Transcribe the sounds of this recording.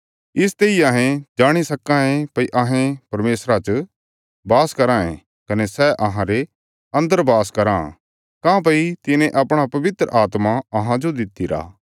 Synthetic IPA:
ɪs̬t̪eːiaɦẽd͡ʒaːɽ̃isɐkãẽpɐiʔɐɦẽpɐɾmeːsɾat͡ʃ | baːskɐɾãḛ̃ | kɐnesɛʔɐɦãɾe | ɐ̃nd̪əɾbaːskɐɾã̰ | kãːp̬ɐit̪ɪnẽʔɐpɽ̃apɐʋɪt̪ɾə̰ʔaːt̪maɐɦãd͡ʒod̪ɪt̪ːiɾa̰ː

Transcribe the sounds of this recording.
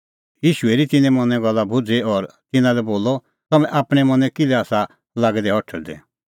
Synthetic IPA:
jiːʃueɾit̪ɪnɛ̃mɐnɛ̃ɡɐlːabʱʊd͡zeɔɾt̪ɪnãlɛboːlɔ | t̪ɐmɛ̃ʔaːpɽ̃ɛmɐ̃nɛ̃kɪlɛaːsa | laːɡɛd̪ɛɦɔʈʰɛɾd̪ɛ̰

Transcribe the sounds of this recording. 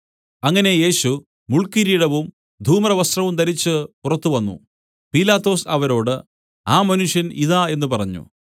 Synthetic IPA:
ɐŋːɐne̞je̞ːɕu | muɭkiɾijiɽɐʋum | d̪ʱuːmrɐʋɐst̪rɐʋumt̪ɐɾit͡ɕːɨpurɐt̪ːuʋɐnːṵ | pilaːt̪ːo̞ːsɐʋɐɾo̞ːɽɨ | aːmɐnuʂjɐniðaːe̞nːupɐrɐɲːṵ

